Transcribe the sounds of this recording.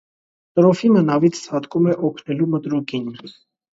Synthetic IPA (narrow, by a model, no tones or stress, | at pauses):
t̪ɾɔfinənɑvit͡sʰsʰɑt̪kumɛʔɔkʰnɛlumət̪ɾukin